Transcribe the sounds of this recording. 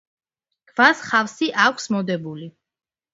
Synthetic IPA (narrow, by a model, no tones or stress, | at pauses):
ɡ̥vasχafsiʔakʷʰsmɔd̪ɛbuli